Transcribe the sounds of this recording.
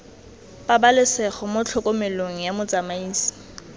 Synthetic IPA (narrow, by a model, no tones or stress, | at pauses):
pabalɪsɛχɔmʊt͡ɬʰɔkʼomɪloŋ̩jamʊt͡sʼamaiːsi̥